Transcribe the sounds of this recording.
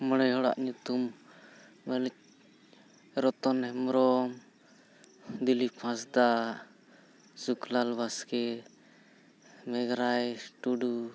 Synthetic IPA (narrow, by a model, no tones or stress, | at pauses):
mɔɽɛjɦɔɽa̰ʔɲut̪um | mɛlɛ | ɾɔt̪ɔnɛmɾɔm | d̪ilipʰãsd̪a | suklalbaskɛ | mɛɡɾajʈuɖu